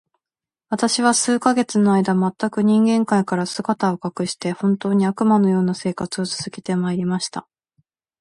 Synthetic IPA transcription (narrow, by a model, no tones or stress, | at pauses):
βat̪aɕiβasɨːkaɡe̞t͡sɨno̞aid̪amat̪ːakɯ̟ɲ̟ĩŋɡẽ̞ŋkaikaɾasɨɡat̪ao̞kakɯ̟ɕi̥t̪e̞hõ̞nt̪o̞ːɲ̟iakɯ̟mano̞jo̞ːnase̞ːkat͡sɨo̞t͡sɨ̥z̥ɨkʲi̥t̪e̞maiɾʲimaɕi̥t̪a